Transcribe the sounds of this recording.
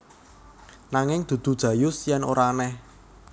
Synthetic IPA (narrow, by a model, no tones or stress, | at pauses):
naŋɪŋd̪̥ṳd̪̥ṳd̥ʒ̥ä̤jʊsjɛno̰ɾanɛh